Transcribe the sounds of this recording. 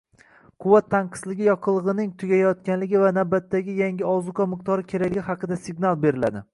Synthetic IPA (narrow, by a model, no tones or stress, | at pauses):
qʰʊwat̪ʰːanqʰɨ̥slɪɡʲɪjɒqʰɨlˠɨʁɨnɪŋt̪ʰʊɡʲajɒt̪̚kʲanlɪɡʲɪvanawbat̪ʰːaɡʲɪjaŋɡʲɪɒzʊkɒmɨq̚t̪ʰɒɾɪkʲʰe̞ɾaɡʲɡʲɪhɑqʰɨd̪asɪɡnalˠbe̞ɾɪla̰d̪ɪ